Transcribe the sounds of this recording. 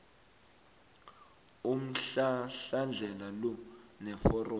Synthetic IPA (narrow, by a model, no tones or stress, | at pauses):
um̩ɬɬand͡ɮʱɛlalɔnɛfɔrɔ